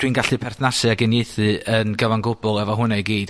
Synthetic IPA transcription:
d̥winɡaɬɨpʰɛrθnasɨaɡɪneɨθɨənɡəvanɡʊbɔlˠɛvɔɦʊnajɡiːd̥

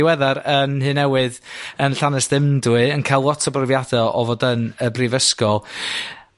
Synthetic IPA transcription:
wɛðaɾənhɨnɛwɨðənɬanɛsd̥ɪmdwɨənkʰajlˠwɔtʰɔbrɪvjadɛɔvodənəbrivəskɔ

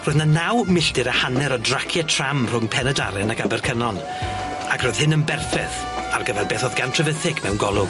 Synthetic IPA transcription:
rʊɨðnanawmɪɬdɪɾəhanɛɾɔdrakʰjɛtʰr̥amr̥ʊmpʰɛnɛda̰ɾɛnakabɛrkʰənɔn | akʰrʊːð̥hɨnənbɛrfɛθ | arɡəvɛlˠbeːθɔðɡantʰrəvəθɪkʰmɛwnɡɔlˠʊ

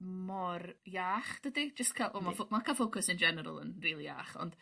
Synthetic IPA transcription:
mɔrjaːχd̥ədid͡ʒəstkʰalˠvɔmafomakʰafokʰʊsɪnd͡ʒɛnɛɾə̰lˠə̰nriːlˠija̰ːχɔ̰nd̥

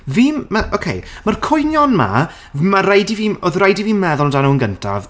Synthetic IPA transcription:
viːmmaʔokʰḛjmarkʰʊjnjɔnma̰ | marajdiviːoðrajdiviːmmɛðʊlˠɔdanuənɡəntʰa̰v

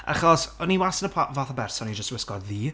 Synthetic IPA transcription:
a̰χɔsɔniwasənəpʰavaθəbɛrsɔnid͡ʒəstwɪskɔdðiː

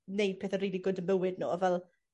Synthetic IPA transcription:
nejd̥pʰeːθəriːlˠiɡʊdəmbəwɪdnṵːɔvɛlˠ

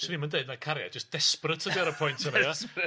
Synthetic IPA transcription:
səniːmandeɨdnakʰaɾja̰d͡ʒəsd̥ɛsprətʰədiaɾəpʰɔjntʰənaj

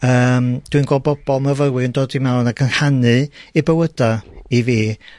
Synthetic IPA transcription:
əːmd̥winɡɔːbɔb̥ɔlˠməvəwɨndoːdimawnaɡʰənhanɨibəwədaiviː

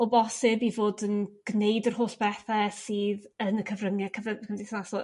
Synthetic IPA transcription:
ɔbɔsɪbivoːdənɡ̥nejdərhɦoːsb̥ɛθɛsiːðənəkʰəvrəŋjɛkʰəvəəmdiθnasɔ

